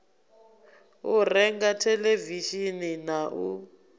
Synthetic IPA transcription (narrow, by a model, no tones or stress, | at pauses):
urɛŋɡatʰɛleviʃininaʔu